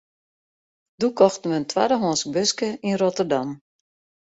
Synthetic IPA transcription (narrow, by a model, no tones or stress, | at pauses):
dukɔxtən̩ʋəəntʰwa̰dəɦoːnsk̚bøskəinrotərdam